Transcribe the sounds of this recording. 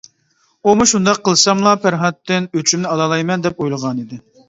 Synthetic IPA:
umuʃund̪ɑqʰːəlˠsɑmlˠɑpʰæɾɦɑt̪ʰːɪnøt͡ʃʰymnɪɑlˠɑlˠɑjmɛnd̪ɛpojlˠəʁɑnid̪ɪ

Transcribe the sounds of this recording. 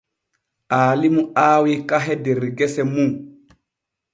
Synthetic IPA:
ʔaːlimuaːwikaɦɛdɛɾɡɛsɛmuŋ

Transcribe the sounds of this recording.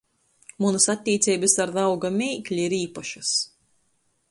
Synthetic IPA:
munɨsat̪ʲːiːt̪sʲiːbɨsaɾd̪awɡamʲejklʲiiɾiːpɐʃɨs

